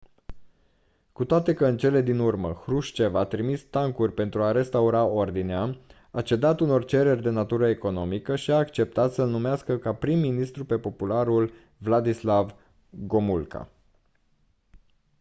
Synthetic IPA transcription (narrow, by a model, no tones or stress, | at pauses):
kut̪oat̪e̞kəɨnt͡ʃe̞le̞d̪inurməxɾuʃt͡ʃe̞vat̪ɾimist̪aŋkurʲpe̞nt̪ɾuaɾe̞st̪auɾao̞rd̪inea | at͡ʃe̞d̪at̪uno̞rt͡ʃe̞ɾe̞rʲd̪e̞nat̪uɾəeko̞no̞mikəʃiaːkt͡ʃe̞p̚t̪at̪səlnumeaskəkapɾimːinist̪ɾupe̞po̞pulaɾul | vlad̪islav | ɡo̞mulka̰